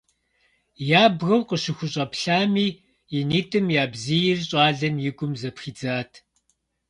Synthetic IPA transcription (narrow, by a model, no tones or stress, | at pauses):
jaːbɣɐwqəɕɪxʷʊɕʼɐpɬaːmiː | jɪniːtʰʼɨmjaːbzijɪrɕʼaːɮɐnjɪɡʷʼʊmzɐpxiːd͡zaːtʰ